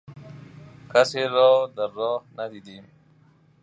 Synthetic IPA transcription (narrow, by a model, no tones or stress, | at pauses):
kaseɾɔd̪əɾɑhnad̪id̪i